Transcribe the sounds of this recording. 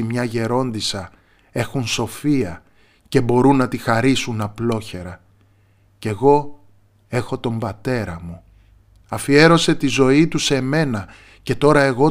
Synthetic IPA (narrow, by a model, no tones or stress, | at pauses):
imɲɐʝe̞ɾo̞nd̪isɐ | e̞xunso̞fiɐ | ce̞bo̞ɾunːɐt̪ixɐɾisunɐplo̞çe̞ɾɐ | ce̞ɣo̞ | e̞xo̞t̪o̞mbɐt̪e̞ɾɐmu | ɐfie̞ɾo̞se̞t̪izo̞it̪use̞me̞nɐ | ce̞t̪o̞ɾɐe̞ɣo̞